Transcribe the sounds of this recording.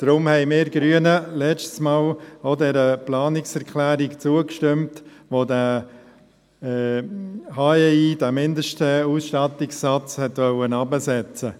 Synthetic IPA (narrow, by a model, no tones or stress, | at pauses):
d̥ɾʊmhɛɪmɪːɾɡ̥ɾyənəlɛt͡ʃtsmɑːlodɛɾəplɑːnɪksɛɾkʰlæːɾɪkt͡suəkʃtɪmtʋoːdæ | hɑeidæmɪndəʃtəusʃtɑtɪksːɑt͡shɛtʋœwənɑbəsɛt͡sə